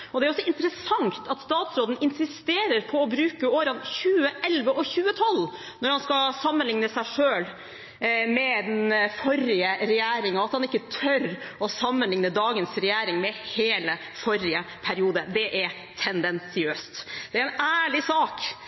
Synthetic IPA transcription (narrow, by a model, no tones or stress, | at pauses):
ɔd̪ɛæɾɔsɔɪnt̪ɾəsɑŋt̪ʰɑt̪st̪ɑːt̪sɾoːd̪n̩ɪnsɪst̪eːɾəɾpʰɔɔbɾʉːkəoːɾɑnçʉːəʔɛlʋəʔɔçʉːət̪ʰɔlː | nɔɾhɑnskɑsɑmːənlɪŋnəsæɪʂøːl | mɛd̪ɛnfɔɾɪəɾɛjæːɾɪŋɑɑt̪hɑnɪkːət̪ʰœɾɔsɑmːənlɪŋnəd̪ɑːɡənsɾɛjæːɾɪŋmɛheːlə | fɔɾɪəpʰæɾɪuːd̪əd̪ɛʔæɾ | t̪ʰɛnd̪ɛnsɪøːst̪d̪̥ɛæɾɛnæːɭɪsɑːk